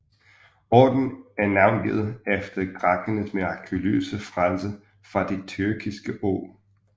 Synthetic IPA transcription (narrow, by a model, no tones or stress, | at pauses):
ɒ̰ːd̥n̩æɐnɑ̈ʊnɡ̥ḛð̩ˠefd̥ɐɡ̥ʁɑ̈ɡ̥ənəmeʁɑ̈kʰulø̰ːsəfʁalsə | fʁɑ̈d̥e̝t͡sʰyɐɡ̥ʰisɡ̥əʔo̰ː